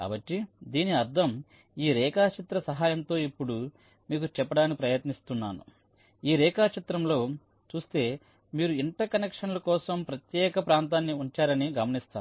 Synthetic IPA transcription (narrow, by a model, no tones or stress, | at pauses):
ka̰ːbɐʈːid̪iːniɐɾd̪ʱɐm | iːɾɛːkaːt͡ʃit̪ɾɐsɐɦaːjɐnt̪o̞ːipːuɽu | miːkut͡ʃɛpːɐɽaːnikipɾɐjɐt̪nist̪unːaːnṵ | iːɾɛːkaːt͡ʃit̪ɾɐmlo̞ː | t͡ʃuːst̪e̞ː | miːɾuiɳʈɐkɐnekʂɐnlɐkɔːsɐmpɾɐt̪jɛːkɐpɾaːnt̪̬aːnːiuɲt͡ʃaːɾɐniɡɐmɐnist̪aːu